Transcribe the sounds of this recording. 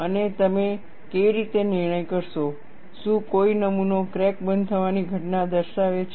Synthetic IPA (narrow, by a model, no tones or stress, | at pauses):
ənet̪əme | keʋiɾit̪enɪɾɳ̃əjkəɾʃo | ʃũkoinəmunokɾek̚bənd̪̚t̪ʰəʋaniɡʱəʈnad̪əɾʃaʋet͡ʃʰ